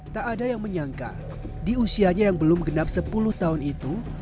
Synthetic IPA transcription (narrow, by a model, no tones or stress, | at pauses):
t̪aʔːdajaŋməɲaŋka̰ | diusiaɲajaŋbəlʊmɡənap̚səpulʊht̪aɦʊnit̪u